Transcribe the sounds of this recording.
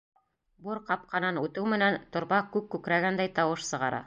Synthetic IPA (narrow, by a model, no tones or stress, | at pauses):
buɾqɑp̚qɑnɑnʉt̪ɘwmɘ̆nænt̪ŏɾβɑkʉp̚kːʉkɾæɡænd̪æjt̪ɑwɤʃsɤ̆ʁɑɾʔɑ̰